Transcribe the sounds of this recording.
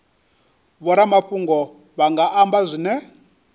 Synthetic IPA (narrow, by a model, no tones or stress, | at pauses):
βɔɾamaɸuŋɡɔ | βaŋɡaʔambazʷinɛ